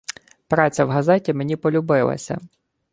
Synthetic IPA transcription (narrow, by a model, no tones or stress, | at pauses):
pɾɑt͡sʲɐwɦɐzɛtʲime̞nʲipɔlʲʊbɪlˠɐ̰sʲɐ̰